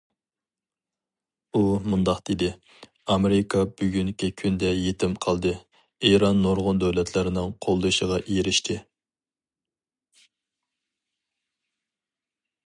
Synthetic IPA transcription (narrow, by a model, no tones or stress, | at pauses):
umund̪ɑqd̪̥ed̪ɪ | ɑmeɾɪkʰɑbyɡʲyŋkʲikʲʰynd̪ɛjet̪ʰɪmqʰɑlˠd̪ɨ | eɾɑnːoɾʁʊnd̪øwlɛt̪ʰlɪɾɪnɪŋqʰolˠd̪ɨʃəʁɑʔeɾɪʃt̪ʰɪ